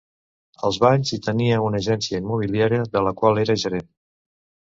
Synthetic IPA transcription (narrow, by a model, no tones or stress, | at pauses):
əlˠzβaʎzit̪əniəunəʒɛnsiəimːuβ̞iliaɾiəðələkwalˠeɾəʒəɾen